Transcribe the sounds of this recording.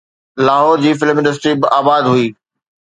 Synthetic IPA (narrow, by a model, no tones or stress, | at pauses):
laːɦɔːɾd͡ʑiːfɪlmɪ̃nɖəs̬ʈɾibɪʔaːbaːd̪ɦuiː